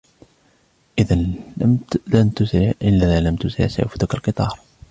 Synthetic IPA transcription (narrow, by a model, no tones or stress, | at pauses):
ʔɪðan | ant̪ʊsɪʕʔɪlːaalamt̪ʊsɪ̰ʕsa̰fʊd̪akalqɨt̪ˤɑːɾˤ